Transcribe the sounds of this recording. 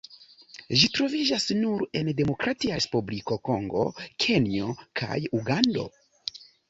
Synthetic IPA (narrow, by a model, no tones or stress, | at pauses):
ʒitɾo̞vid͡ʒasnuɾende̞mo̞kɾatiaɾespubliko̞ko̞ŋɡo̞̰kʰe̞niokʰa̰juɡando̞̰